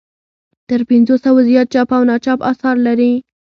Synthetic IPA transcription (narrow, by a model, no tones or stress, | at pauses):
t̪əɾpɪnzosawazijɑt̪̚t͡ʃɑpawnɑt͡ʃɑpɑsɑɾlaɾi